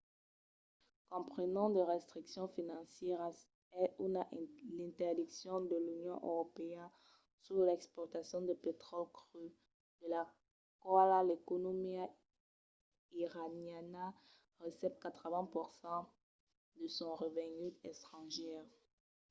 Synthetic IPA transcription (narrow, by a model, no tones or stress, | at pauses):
kɔ̃pχənɑ̃d̪əʁɛst̪χiksjɔ̃finɑ̃sjɛʁ | ɛunaʔlɛ̃nt̪ɛʁd̪iksjɔ̃d̪əlynjɔ̃ʔø̰ʁopeɛn | syʁlɛkspɔʁt̪asjɔ̃d̪əpet̪χɔlkʁy | d̪̥əla | kwalalekonomia | iʁanjana | ʁəsɛpkat̪χəvɛ̃puʁsɑ̃ | d̪əsɔ̃ʁəvɛ̃ɡyt̪ɛst̪χɑ̃ʒɛːʁ